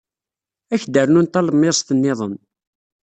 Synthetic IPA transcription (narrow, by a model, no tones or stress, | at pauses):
æçd̪ərnunt̪æləmːest̪ənːɪðˤən